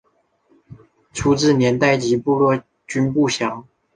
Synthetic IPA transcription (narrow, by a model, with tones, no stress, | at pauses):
t͡sʰu˥ʈ͡ʂɻ̩˥˩njɛ˧˥nt̪a˥˩ɪt͡ɕi˧˥pu˥˧lwɔ˥˩ | t͡ɕy˥npu˥˩ɕjɑ˧˥ŋ